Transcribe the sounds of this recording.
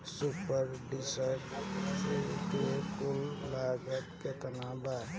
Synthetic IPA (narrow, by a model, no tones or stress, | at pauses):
supəɾɖisəʈset̪ekolːaːɡət̪ket̪ənaːbaː